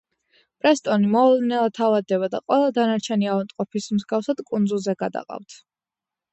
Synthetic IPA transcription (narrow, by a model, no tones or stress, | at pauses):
pʼɾɛst̪ʼɔnimɔlˠɛnɛlˠat̪ʰːavad̪ːɛβad̪a̰qʼwɛlˠad̪anaɾt͡ʃʰɛniavant̪ʼqʼɔpʰismzɡafsad̪̥kʼund̪zulˠzɛɡad̪a̰qʼa̰ft̪ʰ